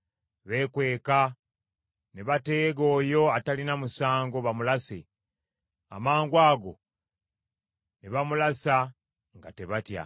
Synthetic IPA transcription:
βe̞ːkwe̞ːka | neβate̞ːɡo̞ːjo̞atalinamusaːŋɡo̞βamulase̞̰ | a̰maːŋɡwaːɡo̞̰ | neβamulasa | ŋɡa̰te̞βatja̰

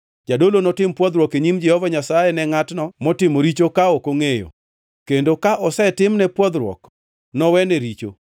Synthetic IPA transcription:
d͡ʒadolonɔtɪmpwɔd̪ɾwɔkeɲimd͡ʒɛhɔvaɲasajɛnɛŋatnɔmɔtɪmoɾit͡ʃokaokoŋejo̰ | kendokaʔɔsɛtɪmnɛpwɔd̪ɾwɔ̰k | nɔwɛneɾit͡ʃo̰

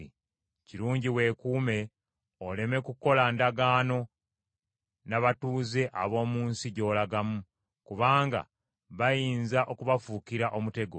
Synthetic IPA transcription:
i | ciɾuːɲɟiwe̞ːkuːme̞ | ole̞me̞kuko̞landaɡaːno̞ | naβatuːze̞ʔaβo̞ːmuːnsiɟo̞ːlaɡamu | kuβaːŋɡa̰ | βajiːnzaʔo̞kuβafukiɾaʔo̞mute̞ɡo

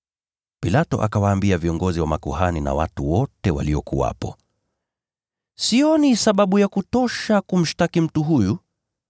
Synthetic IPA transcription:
pilatɔʔakawaːmbiaviɔŋɡɔziwamakuhanina̰wa̰tuwɔtɛwa̰liɔkuwa̰pɔ | siɔnisaɓaɓujakutɔʃakum̩ʃtakim̩tuɦuju

